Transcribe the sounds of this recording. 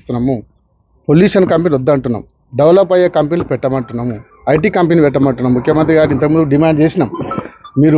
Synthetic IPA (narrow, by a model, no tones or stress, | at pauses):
st̪unːɐmu | polːiːʂɐnkɐmpenod̪ːɐɳʈunːɐ̰mu | ɖɐʋɐlɐpːɐjːɐkɐmpenilupɛʈːɐmɐɳʈunːɐmu | ɐjʈ̬iːkɐmpenipɛʈːɐmɐɳʈunːɐmmukʰjɐmɐnt̪ɾiɡaːɾint̪ɐkmund̪uɖimaːɳɖ̚t͡ʃeːsinɐmmiːɾu